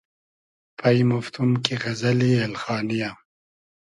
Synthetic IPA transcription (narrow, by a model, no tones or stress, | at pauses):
pʰɐjmʊft̪ʰumkiɣɐzɐlielxɑːnija